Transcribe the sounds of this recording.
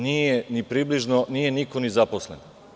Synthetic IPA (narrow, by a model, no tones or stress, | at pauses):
niːjenipɾiːbliʒnonije̞nikonizaposlḛn